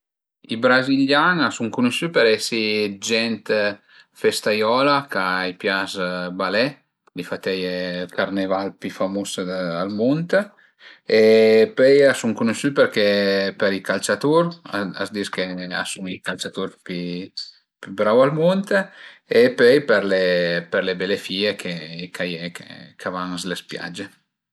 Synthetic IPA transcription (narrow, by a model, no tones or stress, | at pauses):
ibɾaziljanasuŋkunuʃypɛɾɛsid͡ʒɛnt̪ | fest̪ajɔlakaipjazbalɛ | d̪ifat̪ɛjkaɾnevalpifamusalmont̪ | epøjasuŋkunuʃypeɾkepeɾikalt͡ʃat̪uɾaa̰zd̪iskea̰suŋikalt͡ʃat̪uɾpi | pybɾawalmont̪epøjpeɾlepeɾlebelefiːekʰekʰajekḛkavaŋslespja̰d͡ʒe